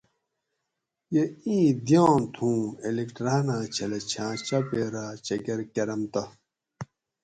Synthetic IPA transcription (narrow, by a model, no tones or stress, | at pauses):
jeĩːd̪jãːnt̪ʰũːelekʈɾaːnãːt͡ɕʰɐlet͡ɕʰãːt͡ɕɐpeːɾaːt͡ɕɐɡeɾkɐɾɐmt̪ɐ